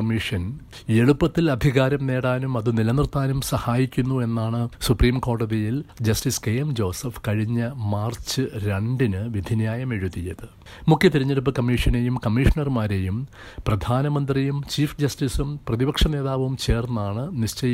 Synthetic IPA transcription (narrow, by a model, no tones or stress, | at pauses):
ɐmːiʂɐn | eɻupːɐt̪ːilɐd̪ʱiɣaːɾɐmne̞ːɽaːnumɐðɨnilɐnrt̪aːnumsɐhaːjikʲːunːue̞nːaːɳɨsupriːmko̞ːɽɐðijild͡ʑɐstiskejɐmd͡ʑo̞ːsɐfkɐɻiɲːɐmaːrt͡ɕːɨɾeɳɖinɨʋid̪ʱinjaːjɐmeɻuðijɐðɨ | mukʰjɐt̪iɾiɲːeɽup̬ːɨkɐmːiʂɐne̞jumkɐmːiʂɐɳɐrmaːɾe̞jum | prɐd̪ʱaːnɐmɐnd̪rijumt͡ɕiːfd͡ʑɐstisumprɐðibɐkʂɐne̞ːðaːʋɐʋumt͡ɕe̞ːrnɐaːɳɨnist͡ɕɐj